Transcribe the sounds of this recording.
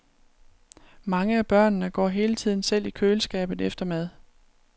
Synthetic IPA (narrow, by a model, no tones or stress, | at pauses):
mɑ̈ŋəæb̥ɶɐ̰nːəɡ̥ɒ̰ːɦe̝ːlət͡sʰið̰ˠn̩sel̰ikʰøːləsɡ̥ɛ̰ːb̥ð̩ˠefd̥ɐmæð̞ˠ